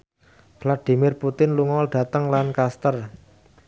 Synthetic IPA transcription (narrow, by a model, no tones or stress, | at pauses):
v̥lad̥i̤mɪrput̪ɪnluŋɔlɖ̥a̤t̪əŋlankast̪ər